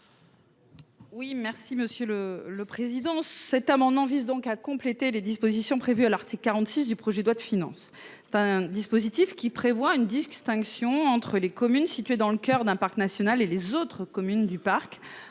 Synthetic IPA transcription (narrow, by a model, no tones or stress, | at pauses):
wimɛʁsiməsjølələpχezid̪ɑ̃sɛt̪amɑ̃d̪mɑ̃vizd̪ɔ̃kakɔ̃plet̪eled̪ispozisjɔ̃pχevyalaʁt̪iklkːaʁɑ̃t̪sis̬d̪ypχɔʒed̪wad̪əfinɑ̰̃s | ɛ̥t̪ɛ̃d̪ispozit̪ifkʲipχevwaynd̪ist̪ɛ̃ksjɔ̃ɑ̃t̪χəlekɔmynsit̪ɥed̪ɑ̃ləkʲœʁd̪ɛ̃paʁknasjɔnalelezot̪χəkɔmynd̪ypaʁk